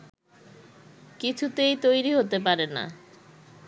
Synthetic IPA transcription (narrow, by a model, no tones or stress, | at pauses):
kit͡ɕʰut̪ejt̪ojɾiɦot̪epaɾena̰